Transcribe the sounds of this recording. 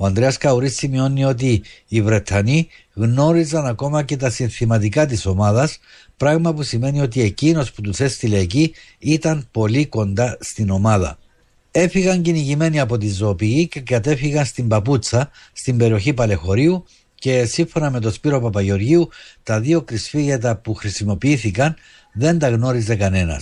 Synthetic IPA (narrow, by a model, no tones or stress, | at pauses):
oɐnd̪ɾeɐskɐuɾisːimio̞nːio̞t̪̬iːvɾe̞t̪ʰɐni | ɣno̞ɾizɐnɐko̞mɐce̞t̪̬ɐsiɱθimɐt̪̬ikɐt̪̬iso̞mɐðɐs | pɾɐɣmɐpusime̞nio̞t̪̬ie̞cino̞sput̪use̞st̪ile̞ːciit̪ɐnpo̞liko̞nd̪ɐst̪ino̞mɐðɐ̰ | e̞fiɣɐɲciniʝime̞niɐpo̞t̪̬inzo̞ːpiʝice̞kɐt̪e̞fiɣɐnst̪imbɐput͡sːɐst̪imbe̞ɾio̞çipɐle̞xo̞ɾiu | ce̞siɱfo̞nɐme̞t̪o̞spiɾo̞pɐpɐʝeo̞ɾʝiut̪ɐðio̞kɾisfiɣʝet̪ɐpuxɾisimo̞piiθikɐn | ðe̞nd̪ɐɣno̞ɾize̞kɐne̞nɐ̰s